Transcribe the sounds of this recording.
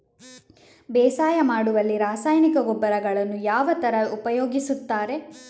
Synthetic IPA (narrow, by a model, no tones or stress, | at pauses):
bɛːsaːjɐmaːɽuʋɐlːiɾaːsaːjnikɐɡɔbːɐɾɐɡɐɭɐnːujaːʋɐt̪ɐɾɐupɐjoːɡisut̪ːaːɾe̞